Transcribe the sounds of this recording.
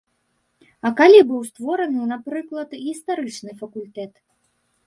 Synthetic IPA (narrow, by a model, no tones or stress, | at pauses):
ɐkalʲibɨwst̪vɔɾɐnɨnapɾɨklˠɐt̪ɣʲist̪aɾɨt͡ʂnɨfɐkulʲt̪ɛt̪